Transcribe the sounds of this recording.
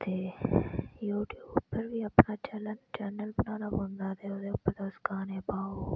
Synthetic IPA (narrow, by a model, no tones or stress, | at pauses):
t̪eː | juːʈjuːbpəɾbʱiɐpnaːt͡ʃɐlənt͡ʃɐnəlbɪnaːnabõnd̪aːt̪eod̪eʊpəɾd̪oːskaːneːbaːo